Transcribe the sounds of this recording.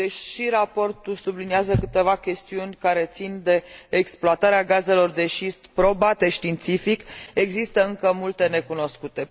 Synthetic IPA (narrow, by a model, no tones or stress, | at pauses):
eʃiɾapo̞rt̪ulsubliniazəkɨt̪e̞vakʲe̞st̪iunʲkaɾe̞t̪sind̪e̞ːksploat̪aɾeaɡaze̞lo̞rd̪e̞ʃist̪pɾo̞bat̪e̞ʃt̪int̪sifike̞ɡzist̪əɨŋkəmult̪e̞ne̞kuno̞skut̪e̞